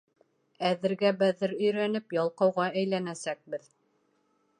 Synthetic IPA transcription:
æðɘ̆ɾɡæbæðɘɾɵ̆jɾænɘpjɑlˠqɑwʁɑæjlænæsæk̚bɘð

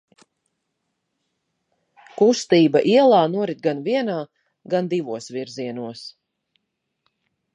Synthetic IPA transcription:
kust̪iːbaʔiɛlˠaːnuɔɾit̪̚ɡanviɛnaː | ɡand̪ivuɔsviɾziɛnuɔs

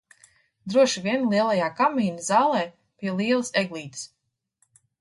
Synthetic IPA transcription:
d̪ɾuɔʃivʲiɛnlˠiɛlˠajaːkamːiːnɨzaːlˠɛː | pʲiɛlˠiɛlˠseɡlˠiːt̪s

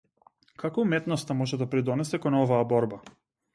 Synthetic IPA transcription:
kʰakɔumɛt̪nɔst̪amɔʒɛd̪apɾid̪ɔnɛsɛkɔnɔvaːbɔɾba

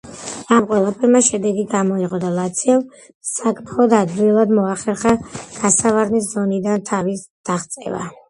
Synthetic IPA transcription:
amqʼwɛlˠapʰɛɾmaʃɛd̪ɛɡiɡamɔiʁʼɔd̪alˠat̪sʰiɛm | sakʼmʰχɔd̪ad̪ilˠad̪mɔaχɛɾχaɡ̥asavaɾnis̬zɔnid̪ant̪ʰavisd̪̥aχt̪sʼɛ̰va̰

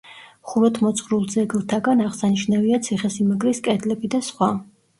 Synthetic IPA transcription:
χuɾɔt̪ʰmɔt̪sʼχɾulˠd̪zɛɡlˠt̪ʰaɡanaʁsaniʃnaviat̪sʰiχɛsimaɡɾiskʼɛd̪lɛbid̪asχwa

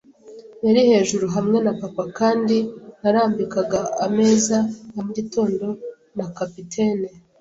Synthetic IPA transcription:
jaɾihe̞ːʒuɾuɦamŋe̞napapakaːndinaɾaːmbikaɡaame̞ːzanamuɟito̞ːndo̞ | nakapitʰe̞ːne

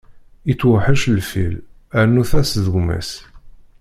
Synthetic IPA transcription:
it͡sːwəħəʃlfil | ænːuθæsðəɡmæ̰s

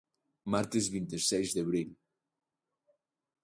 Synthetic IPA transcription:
maɾt̪ezβint̪esɛzd̪eβɾiʎ

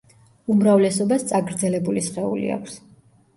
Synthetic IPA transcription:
umɾavlɛsɔbast̪sʼaɡɾd̪zɛlɛbulisχɛṵlḭa̰kʷʰs

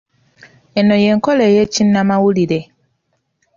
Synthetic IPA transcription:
ɛnɔjɛŋ̩kɔlɛjɛt͡ʃin̩ːamawulide

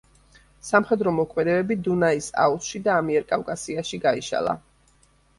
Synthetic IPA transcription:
samχɛd̪ɾɔmɔkʰmɛd̪ɛbɛbid̪unaisa̰usʃid̪aːmiɛɾkʼafkʼasiaʃiɡaiʃa̰lˠa̰

